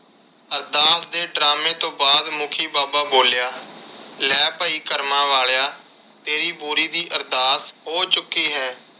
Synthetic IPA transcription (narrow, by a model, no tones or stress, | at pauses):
əɾd̪aːsd̪eːɖɾaːmẽːt̪õːbaːd̪mʊkʰiːbaːbaːboːljaːlɛːpəiːkəɾmãːʋaːɭjaː | t̪eːɾiːbuːɾiːd̪iːʔəɾd̪aːsɦoːt͡ʃʊkːiːɦɛː